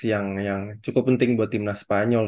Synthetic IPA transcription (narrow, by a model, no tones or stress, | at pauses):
jaŋjaŋt͡ʃukʊpːənt̪ɪŋbuat̪imnaspaɲɔl